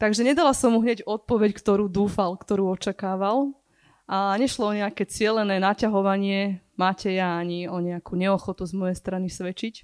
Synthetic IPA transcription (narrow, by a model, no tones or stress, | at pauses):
t̪aɡʒɛɲɛd̪alasɔmːuɦɲɛɟɔt̪̚pɔʋɛckt̪ɔɾuːd̪uːfalkt̪ɔɾuːɔt͡ʃakaːʋal | ʔaɲɛʃlɔɔɲɛakɛt͡sɪɛlɛnɛːnacaɦɔʋaɲɪɛ | maːcɛjaaɲiɔɲɛakuːɲɛɔxɔt̪uzmɔjɛjst̪ɾanisʋɛt͡ʃic